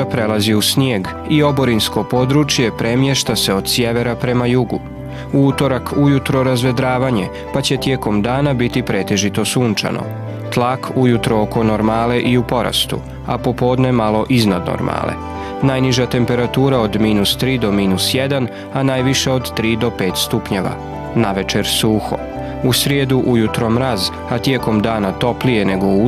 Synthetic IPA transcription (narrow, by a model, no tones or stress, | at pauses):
apɾe̞laziusnjeːɡ | io̞bo̞ɾinsko̞po̞ːd̪ɾut͡ʃjepɾe̞mje̞ʃt̪ase̞o̞d̪̥sje̞ʋe̞ɾapɾe̞majuɡṵ | uut̪o̞ɾakʰujut̪ɾo̞ɾazʋe̞d̪ɾaːʋaɲe̞ | pat͡ɕe̞t̪je̞ːko̞md̪aːnabit̪ipɾe̞t̪e̞ʒit̪o̞suːnt͡ʃa̰no̞̰ | t̪lˠakujut̪ɾooko̞no̞ɾmaːle̞ʔiupo̞ɾa̰st̪ṵ | a̰po̞po̞ːd̪ne̞malo̞ʔiznad̪no̰ɾma̰ːlḛ | najniʒat̪e̞mpe̞ɾat̪uːɾao̞d̪miːnust̪ɾiːd̪o̞miːnusjed̪an | anajʋiʃe̞o̞d̪t̪ɾiːd̪o̞pe̞ːt̪st̪upɲeʋa̰ | naʋe̞t͡ʃeɾsuːxo̰ | usɾjed̪uʔujut̪ɾo̞mɾaz | at̪je̞ko̞md̪aːnat̪o̞plije̞ne̞ɡo̞u